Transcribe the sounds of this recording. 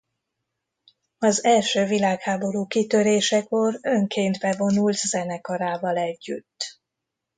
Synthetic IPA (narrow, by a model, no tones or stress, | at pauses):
ɒzɛlʃøːvilaːkhaːbo̞ɾuːkit̪ø̞ɾeːʃɛko̞røŋkeːnt̪bɛvo̞nult̪zɛnɛkɒɾaːvɒlɛɟːy̰t̪ː